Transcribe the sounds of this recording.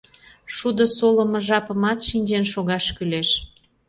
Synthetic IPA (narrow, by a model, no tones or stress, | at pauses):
ʃud̪osoləmɤ̆ʒɑpəmɑt̪ʃinʲd͡ʑenʃoɣɑʃkyleʃ